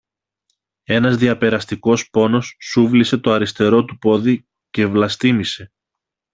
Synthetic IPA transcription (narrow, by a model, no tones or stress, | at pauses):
e̞nɐzðiɐpe̞ɾɐst̪iko̞spo̞no̞sːuvlise̞t̪o̞ɐɾist̪e̞ɾo̞t̪upo̞ði | ce̞vlɐst̪imise̞